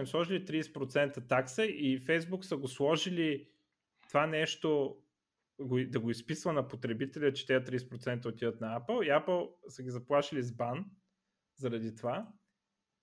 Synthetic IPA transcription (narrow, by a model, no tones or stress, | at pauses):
ɛslˠɔʒilit̪ɾiːsɛ̥pɾot̪sɛnt̪ət̪aksəʔifɛjzbuksəɡoslˠɔʒili | t̪ovanɛʃt̪o | ɡod̪ɐɡoispisvənɐpot̪ɾɛbit̪ɛlʲət͡ʃɛ̥t̪ɛət̪ɾiːsɛ̥pɾot̪sɛnt̪əot̪id̪ət̪nɐapəlˠiapəlˠsəɡʲizɐplˠaʃilizban | zɐɾɐd̪it̪ova